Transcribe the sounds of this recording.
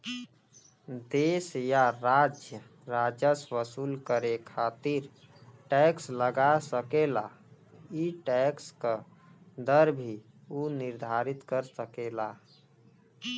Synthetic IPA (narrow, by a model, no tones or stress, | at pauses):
d̪esjaɾad͡ʒjə | ɾad͡ʒəsʋəsuːlkəɾekʰat̪iɾ | ʈɛksləɡasəkela | iʈɛkskə | d̪əɾbʱi | uniɾd̪ʱaɾit̪kəɾsəkela